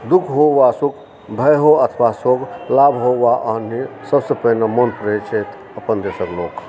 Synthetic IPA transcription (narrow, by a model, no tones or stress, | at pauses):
d̪ukʰɦoʋasuk | bʱəjɦoət̪ʰʋasoɡlabɦoʋaʔənisəbsepəɦnemonpɾet͡ʃʰet̪ʰ | əpənd̪esəklok